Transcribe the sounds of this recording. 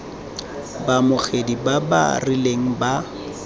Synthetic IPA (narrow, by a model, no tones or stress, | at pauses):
bamʊχedibaba̰rɪleŋ̩ba